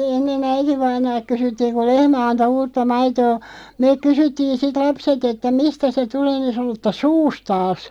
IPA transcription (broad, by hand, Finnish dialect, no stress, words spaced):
enːen æitiʋɑinɑːlk̆ kysytːiːŋ ku lehmæ ɑnto uːtːɑ mɑitoː meːk̆ kysytːiːn sit lɑpset etːæ mistæ se tuleː ni sɑ̆no tːɑ suːstɑːs